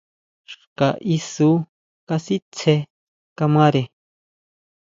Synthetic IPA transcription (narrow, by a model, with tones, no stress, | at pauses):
ʃka˨ʔi˧su˦ | ka˧si˦t͡sʰe˧ | ka˧mã˦ɾe˨